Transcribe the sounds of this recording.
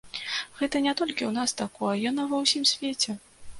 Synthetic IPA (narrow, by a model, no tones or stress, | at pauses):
ɣɛt̪ɐnʲɛt̪ɔlʲkʲiwnast̪akɔɐjɔnavɐwsʲimsʲvʲet͡sʲɛ